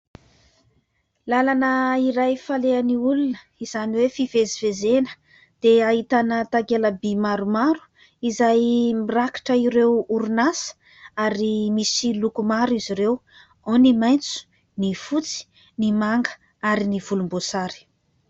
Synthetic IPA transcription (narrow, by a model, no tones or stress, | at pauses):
lalanəiɾajfaleaniulunə | iz̥aniwefivezivezenə̥ | d̪̥eaɦit̪anət̪aɡeləbimaɾumaɾu̥ | izajmiraki̥ʈ͡ʂəiɾewuɾunasə̥ | aɾimisilukumaɾuiziɾew | onimajnt͡su̥ | nifut͡si̥ | nimaŋɡə̥ | aɾiniv̥ulumbosaɾi̥